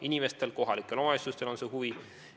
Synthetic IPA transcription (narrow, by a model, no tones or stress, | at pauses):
inʲime̞st̪e̞lko̞ɦɑlikːˑe̞lo̞mɑesust̪e̞lo̞nseɦuvi